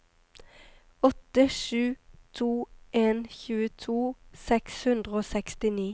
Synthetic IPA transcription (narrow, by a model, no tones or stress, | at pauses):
ɔt̪əʃʉːt̪ʰuːʔeːnçʉːət̪ʰuːsɛkshʉnd̪ʁəoːsɛkst̪ɪniː